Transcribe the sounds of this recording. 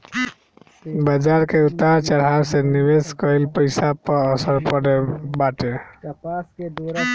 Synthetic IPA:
bəd͡ʒaɾkeut̪ːaɾt͡ʃəɽ̤aɾsenibeskɔilpəjsapɔːsəɾpɔɽɛbaʈe | s

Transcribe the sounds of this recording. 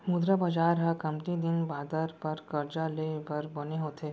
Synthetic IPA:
mud̪ɾəbɐd͡ʒaːɾɦɐkɐ̃mpnid̪ɪnbaːd̪əɾpɐɾkɐɾd͡ʒalebɐɾbɐneɦoːt̪ʰeː

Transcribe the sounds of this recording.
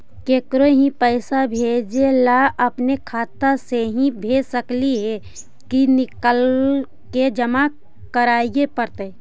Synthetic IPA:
keːkɾoɦĩpəɪsabʱed͡ʒelaəpnekʰaːt̪əseɦĩbʱeːsəkliɦɛ | kinɪkəl | ked͡ʒəma | kəɾaːijepəɾt̪ə

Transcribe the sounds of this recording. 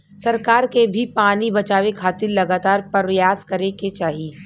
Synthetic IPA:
sɐɾkaːɾkebʱipaːnibɐt͡ʃaːʋekʰaːt̪ɪɾlɐɡaːt̪aːɾpɐɾʋəjaːskɐɾẽket͡ʃaːɦie

